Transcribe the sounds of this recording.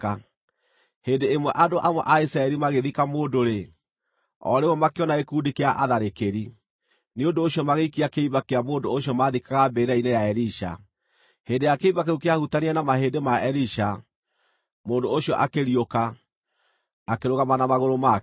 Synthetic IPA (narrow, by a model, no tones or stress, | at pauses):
a | heːndeːmwɛʔadoʔamwɔʔaisɾaɛɾimaɣeðikamoːndoɾe | ɔ̰ɾemɔmakeɔnaekudikeaʔaðaɾekeɾi | neondoːɕiɔmaɣeikiakeiβakeamoːndoːɕiɔmaðikaɣabeɾainejaɛɾiʃa̰ | heːndejakeiβak̬eukeahutanianamaɦedemaɛliʃa | moːndooɕiɔʔakeɾioka | keɾoɣamanamaɣoɾoma